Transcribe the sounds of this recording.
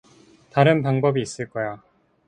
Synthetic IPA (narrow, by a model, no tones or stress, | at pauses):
taɾɯnpaŋbʌbiːs͈ɯɭk͈ʌja